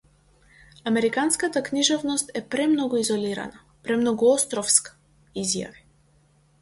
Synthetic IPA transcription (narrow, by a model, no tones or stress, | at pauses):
amɛɾikanskat̪akniʒɔvnɔst̪ɛpɾɛmnɔɡuizɔliɾa̰na | pɾɛmnɔɡuɔst̪ɾɔfskḁ | izja̰vi